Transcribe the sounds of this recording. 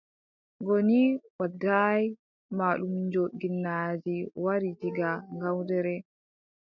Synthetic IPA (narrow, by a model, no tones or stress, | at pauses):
ɡɔniwadːaj | maɗumɲd͡ʒoɗɡinːad͡ʒiwaɾid͡ʒiɡaŋɡawdɛɾɛ